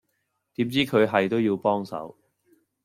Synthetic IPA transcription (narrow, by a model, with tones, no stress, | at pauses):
t̪iː˨˥mt͡siː˥kʰɵ˨˧ɥɦɐ˨jt̪o˥wjiː˧wpɔː˥ŋsɐ̰˨˥w